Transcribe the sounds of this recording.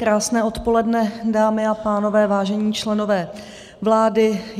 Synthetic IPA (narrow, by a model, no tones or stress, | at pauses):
kɾaːsnɛːʔo̞t̪po̞lɛdnɛdaːmɪapaːno̞vɛːvaːʒɛɲiːt͡ʃlɛno̞vɛː | vlaːdɪ